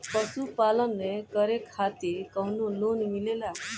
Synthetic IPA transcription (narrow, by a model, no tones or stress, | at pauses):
pəsupalənːekəɾekʰːat̪ikəwnolonmilela